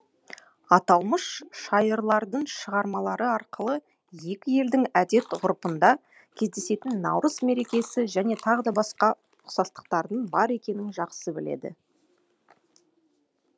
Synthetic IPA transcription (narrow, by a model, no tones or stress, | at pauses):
ɑt̪ɑlˠməʃʃɑjəɾlˠɑɾd̪əɴʃəʁɑɾmɑlˠɑɾəɑɾqəlˠə | je̞kʲɪje̞ld̪ɪŋæd̪e̞t̪ʁʊɾpənd̪ɑ | kʲʰe̞zd̪e̞se̞t̪ɪnːɑ̰wɾəzme̞ɾe̞kʲe̞sɪʒæne̞t̪ʰɑʁəd̪ɑbɑsqɑ | ʊqsɑst̪ə̥q̚t̪ɑɾd̪ənbɑɾe̞kʲe̞nɪŋʒɑqsəbɪle̞̰d̪ɪ̰